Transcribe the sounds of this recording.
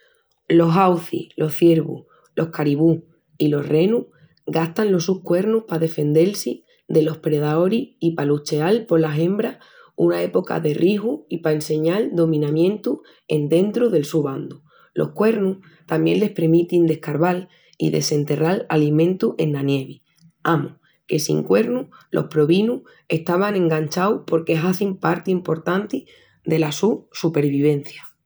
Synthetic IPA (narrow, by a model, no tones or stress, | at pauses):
lo̞ɦawθḭlʔo̞hθje̞ɾβṵ | lʔo̞hkaɾiβu | ilo̞hre̞nuh | ɡaht̪anlo̞suhkwe̞ɾnuhpaðe̞fe̞nd̪e̞lsi | d̪e̞lo̞hpɾe̞ð̞ao̞ɾiipalut͡ʃe̞alpo̞ɾlaɦe̞mbɾa | unae̞po̞ka̰ðe̞rʔiɦuipaense̞ɲald̪o̞mĩnãmjẽ̞nt̪u | e̞̰nd̪e̞nt̪ɾuðe̞lsuβand̪u | lo̞̰hkwe̞ɾnuh | t̪amje̞̰nle̞hpemit̪ind̪e̞hkaɾβal | ḭðe̞̰se̞nt̪e̞rala̰limẽ̞nt̪uʔe̞nːanje̞βi | amu | ke̞sḭŋkwe̞ɾnuhlʔo̞̰hpɾo̞βinu | e̞ht̪aβ̞anẽ̞ŋɡaɲt͡ʃawpo̞ɾkeɦaθimpaɾt̪iimpo̞ɾt̪ant̪i | d̪e̞lasusupe̞ɾβiβ̞e̞n̟θja